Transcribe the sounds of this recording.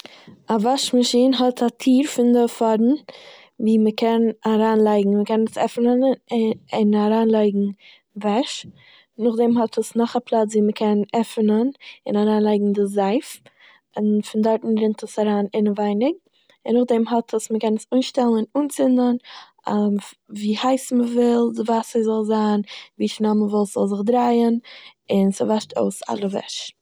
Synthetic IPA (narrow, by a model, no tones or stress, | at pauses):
avaʃmaʃiːnɦɔtʰatʰiːɾfɪndəfɔɾn̩ | viːməkɛnaɾaːnlˠaɪɡŋ̩məkɛnnəsɛfnənɪɪnaɾaːnlˠaɪɡŋ̩ | vɛʃ | nʊχdɛmɦɔtʰəsnɔχaplˠat͡sviːməkʰɛnɛfnənɪnaɾaːnlˠaɪɡŋ̩dɪzaɪf | ɪnfɪndaɾtn̩ɾɪntəsaɾaːnɪnəvaɪnɪɡ̚ | ɪnʊχdɛmɦɔtʰəsməkɛnəsuːnʃtɛlˠnɪnuːnt͡sɪndən | aviːhaɪsməvɪlˠdɪvasəzɔlˠzaːnviːʃnaməvɔlˠsz̥ɔlˠzɪχdɾaɪənɪnsɪvaʃtʰo̰ʊsa̰lˠəvɛ̰ʃ